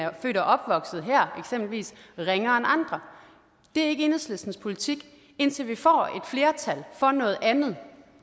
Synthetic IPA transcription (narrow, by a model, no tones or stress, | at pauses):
fø̰ːɾ̥ɐʔɒ̽b̥ʋɒ̽ɡ̥sð̩ˠɦæɐ̰eɡ̥semb̥l̩ʋḭːsʁeŋɐenɑ̈nd̥ʁɐ | d̥e̝æɐe̝ɡəe̝nð̩ˠslesd̥n̩spʰo̝lit͡sʰiɡ̥ | e̝n̰t͡sʰe̝lʋifɒ̰ːe̝d̥fle̝ːɐt͡sʰælfɒ̽nɔ̽ːð̩ˠænð̞̩ˠ